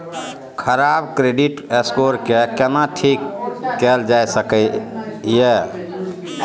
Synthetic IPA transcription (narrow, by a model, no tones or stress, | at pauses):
kʰəɾabkɾeɖiʈeskoɾkekenaʈʰikːɛld͡ʒajsəkəje